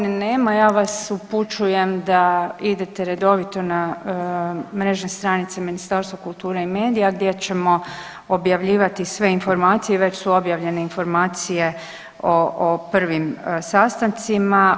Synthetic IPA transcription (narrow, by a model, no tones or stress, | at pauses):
nne̞ːmajaːʋasuput͡ʃuje̞md̪aid̪e̞t̪e̞ɾe̞d̪o̞ʋit̪o̞na | mɾe̞ʒnest̪ɾanit̪seminist̪aːɾst̪ʋakulˠt̪uːɾeime̞ːd̪ijaɡd̪je̞t͡ɕe̞mo̞ | objaʋʎiːʋat̪isʋe̞info̞ɾmaːt̪sijeʋe̞t͡ɕsuo̞bjaʋʎe̞ne̞info̞ɾmaːt̪sije̞ | oopr̩ʋimsast̪ant̪sima